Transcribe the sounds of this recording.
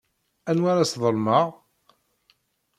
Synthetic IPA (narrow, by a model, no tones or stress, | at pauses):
ænwaɾasðˤəlmɑʁ